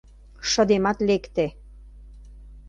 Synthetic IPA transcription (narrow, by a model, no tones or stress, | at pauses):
ʃə̆d̪emɑt̪lekt̪e